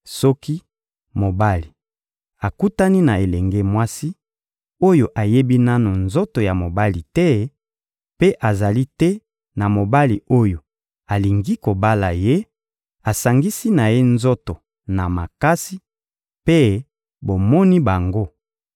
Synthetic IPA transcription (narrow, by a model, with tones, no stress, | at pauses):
sɔ˦ki˦ | mo˨ba˦li˨ | a˨ku˦ta˦ni˦na˨e˨lɛ˨ŋɡɛ˦mwa˦si˦ | o˦jo˨ʔa˨je˦bi˦na˦no˨nzo˦to˨ja˨mo˨ba˦li˨tɛ˦ | pe˦ʔa˨za˨li˦tɛ˦ | na˨mo˨ba˦li˨o˦jo˨ | a˨li˨ŋɡi˦ko˨ba˦la˨je˦ | a˨sa˨ŋɡi˦si˦na˨je˦nzo˦to˨ | na˨ma˨ka˦si˦ | pe˦ | bo˨mɔ˦ni˦ba˨ŋɡo˦